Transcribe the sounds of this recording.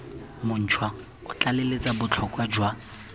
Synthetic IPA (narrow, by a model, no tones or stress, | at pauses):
mʊn̩t͡ʃʰwa | ʊt͡ɬʼalelet͡sʼabʊt͡ɬʰɔkʼwad͡ʒwa